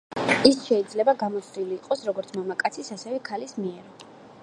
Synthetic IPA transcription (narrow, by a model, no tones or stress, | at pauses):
isʃɛid̪zlɛbaɡamɔt̪sʰd̪iliːqʼɔsɾɔɡɔɾt̪sʰmamakʼat̪sʰisasɛvɛkʰalismiɛɾ